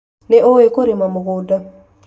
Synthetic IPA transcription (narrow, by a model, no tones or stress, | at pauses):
nɛʔoekoɾimamoɡʊda